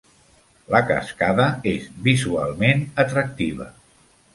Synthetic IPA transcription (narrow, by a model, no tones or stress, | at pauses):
ləkə̰skaðəezβizua̰lˠmenət̪ɾək̚t̪iβə̰